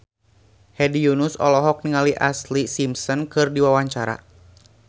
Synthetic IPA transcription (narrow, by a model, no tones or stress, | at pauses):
hɛdijunusɔ̰lɔɦɔk̚niŋaliʔaslisimsɔnkɨrdiwawaɲt͡ʃaɾa̰